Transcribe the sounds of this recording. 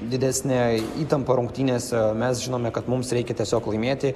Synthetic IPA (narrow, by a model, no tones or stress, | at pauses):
d̪ʲɪd̪ʲæːsʲnʲɛiːt̪ɐmpɐɾʊŋkt̪ʲiːnʲeːsmʲɛsʒʲɪnoːmʲɛkɐt̪mʊmsɾʲɛɪkʲɛt̪ʲiɛsʲoːklˠɐɪmʲeːt̪ʲɪ